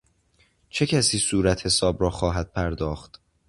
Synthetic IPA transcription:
t͡ʃʰe̞cʰæsiːsuːɾæt̪he̞sɒːbɾɒːxɒːɦæd̪̚pʰæɾd̪ɒːxt̪

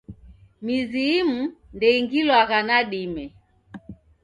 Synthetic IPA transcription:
miziːm̩ndɛiŋɡilwaɣanaɗimɛ

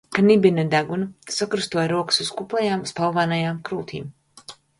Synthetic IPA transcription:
kanibinad̪aɡunusakɾust̪uɔjɾuɔkɨ̥suzkuplˠɛjaːmspalˠvaːnajaːmkɾuːt̪ʰḭːm

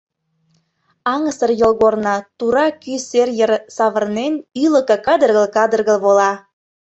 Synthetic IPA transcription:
ɑŋəsərjolɣornɑt̪uɾɑkyserjərsɑβərnenyləkɤkɑd̪ərɣə̆lkɑd̪ərɣə̆lβolɑ

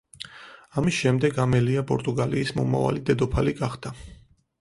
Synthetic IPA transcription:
amisʃɛmd̪ɛɡamɛliapʼɔ̰ɾt̪ʼuɡaliːsmɔma̰va̰lid̪ɛd̪ɔpʰaliɡaχd̪̥a

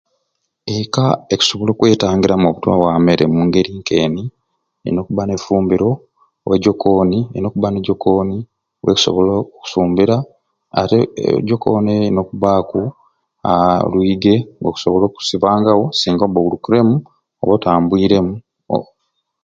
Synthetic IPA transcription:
ekaeku̥so̞βolo̞ːkwe̞ːtaːŋɡiɾamoβutwa̰βwame̞ɾḛmuːŋɡe̞ɾiːŋke̞ːni | ḛno̞kuβane̞fuːmbiɾo̞ | weɟo̞kʰoːniḛno̞ːkuβaneɟo̞kʰoːni | weku̥so̰βoloku̥suːmbiɾa̰ː | teɟoko̰neno̞kuβaku | a̰lwiːɡe̞ŋɡoku̥so̞βo̞lo̞ːku̥siβaːŋɡawo̞siːŋɡoβoβulukuɾe̞mu | oβotaːmbwiːɾe̞mṵ

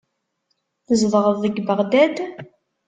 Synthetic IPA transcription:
θəzvʁəðəɡbəʁd̪æd̪

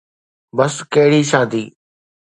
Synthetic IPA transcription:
bəskəɦɪɽiːʃaːd̪iː

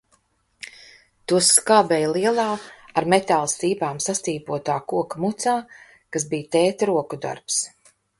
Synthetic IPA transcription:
t̪uɔskaːbɛjlˠiɛlˠaːaɾmɛt̪alˠst̪iːpaːmsast̪iːpuɔt̪aːkuɔkmut̪saː | kazbijt̪ɛːt̪ɾuɔkud̪a̰ɾps

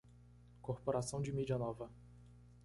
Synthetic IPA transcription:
koɾpoɾasɐ̃w̃d͡ʒɪmid͡ʒiɐnɔvɐ

